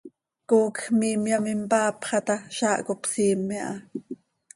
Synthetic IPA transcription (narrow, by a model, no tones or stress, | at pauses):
koːkxmiːmjamimpɑːpχɑt̪ɑʃɑːʔkopsiːmːiʔɑ̰